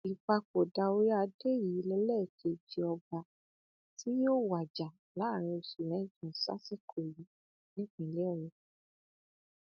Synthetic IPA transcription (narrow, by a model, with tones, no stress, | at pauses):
i˨k͡pa˧k͡po˨da˧o˧ɾi˦a˧de˦˨ji˨˦lɛ˧˦lɛ˦˨kʰe˧d͡ʒi˧ɔ˧ba˨ | tʰi˦jo˦˨wa˨d͡ʒa˨ | la˨˦˨ɾ̃ĩ˧o˨su˨ɾɛ̃˨˦˨d͡ʒɔ̃˨sa̰˦si˦kʰo˨ji˨˦ | nĩ˦k͡pĩ˨˧˨lɛ˦ɔ˦˨ɾũ˨